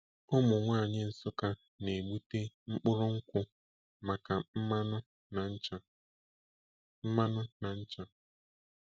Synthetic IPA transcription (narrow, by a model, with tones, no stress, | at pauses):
ɔ˦mʊ˨ŋʷaː˦˨ɲɪ˦n̩˦sʊ˦ka˦ | ne˨ɡ͡bu˦te˦ | ŋ͡m̩˦k͡pʊ˦ɾʊ˦ŋ̩˦kʷʊ˦ | ma˨ka˨m̩˦ma˦nʊ˦ | na˨n̩˦t͡ʃa˦ | m̩˦ma˦nʊ˦na˨n̩˦t͡ʃa˦